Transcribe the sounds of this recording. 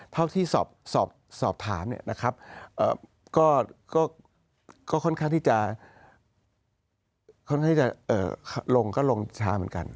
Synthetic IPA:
t̪ʰa˥˩wt̪ʰiː˥˩sɔː˨˩p̚sɔː˨˩p̚sɔː˨˩p̚t̪ʰaː˩˦mni˥˩na˦˥kʰɾa˦˥p̚ʔɤː˨˩ | kɔː˥˩kɔː˥˩ | kɔː˥˩kʰnkʰaː˥˩ŋt̪ʰiː˥˩t͡ɕa˨˩ | kʰnka˥˩iː˥˩t͡ɕa˨˩ʔɤ̰ː˨˩kʰlo˧ŋkʰɔː˥˩lo˧ŋ˧t͡ɕʰaː˧mɯ˩˦ənka̰˧n

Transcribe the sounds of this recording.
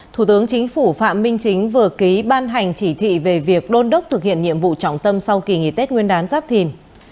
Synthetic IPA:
t̪ʰu˧˩t̪ɨ˨˦əŋt͡ɕï˨˦ŋ̟fu˧˩fa̰ː˧˨mːï˧ŋ̟t͡ɕï˨˦ŋ̟vɨ˨˩əki˨˦ɓaː˧nɦa˨˩jŋ̟t͡ɕi˧˩t̪ʰḭ˧˨ve˨˩vi˨˩ək̚ɗo˧nɗə˦˥k͡p̚t̪ʰɨ˨˩k̚hḭ˧˨ənɲḭ˧˨əmvṵ˧˨t͡ɕɔ̰˧˩wŋ͡mt̪ə˧msa˧wki˨˩ŋḭ˧˩t̪e˦˥t̚ŋwi˧ənɗaː˨˦nzaː˦˥p̚t̪ʰi˨˩n

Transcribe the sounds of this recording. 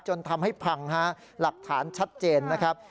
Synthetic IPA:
t͡ɕo˧nt̪ʰa˧mha˥˩jpʰa˧ŋɦa˦˥ | la˨˩k̚t̪ʰaː˩˦nt͡ɕʰa˦˥t̪̚t͡ɕeː˧nːa˦˥kʰɾa˦˥p̚

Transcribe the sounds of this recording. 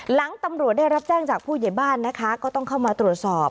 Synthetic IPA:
la˩˦ŋt̪a˧mɾu˨˩ət̚daː˥˩jɾa˦˥p̚t͡ɕɛː˥˩ŋt͡ɕaː˨˩k̚pʰuː˥˩ja˨˩jbaː˥˩nːa˦˥kʰa˦˥kɔː˥˩t̪ɔ˥˩ŋkʰa˥˩wmaː˧t̪ɾu˨˩ət̪̚sɔː˨˩p̚

